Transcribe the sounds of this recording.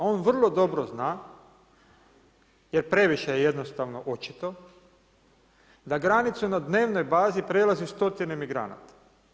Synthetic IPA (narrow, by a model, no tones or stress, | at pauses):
o̞ːnʋr̩lˠo̞d̪o̞bɾoznaː | je̞ɾpɾe̞ʋiʃejeje̞d̪no̞st̪aʋno̞ʔo̞t͡ʃi̥t̪o̞ | d̪aɡɾanit̪sunad̪ne̞ːʋno̞jbaːzipɾe̞lˠaziust̪o̞t̪inemiɡɾa̰na̰t̪ḁ